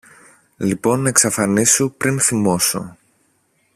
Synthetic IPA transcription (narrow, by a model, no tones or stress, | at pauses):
lipo̞nɐeksɐfɐnisupɾinθimo̞so̞̰